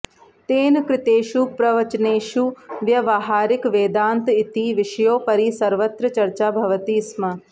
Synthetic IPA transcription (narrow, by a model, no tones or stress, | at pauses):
t̪eːnkɾɪt̪eːʃupɾɐʋɐt͡ʃneːʃuʋjɐʋaːɦaːɾɪkʋeːd̪aːnt̪ɪt̪iːʋɪʃjoːpɐɾiːsɐɾʋɐt̪ɾɐt͡ʃɐɾt͡ʃaːbʱɐʋɐt̪iːsmɐ